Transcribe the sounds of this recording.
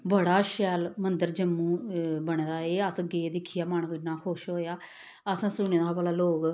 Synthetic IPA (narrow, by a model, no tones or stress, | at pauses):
bəɽaːʃɛːlmənd̪əɾd͡ʒəmːũːbəɳd̪aːeːəsɡeːd̪ɪkʰːijaːmaːɳkoɪnaːkʰoʃɦoːjaː | əsãːsʊɳeːd̪aːbəlaːloːɡ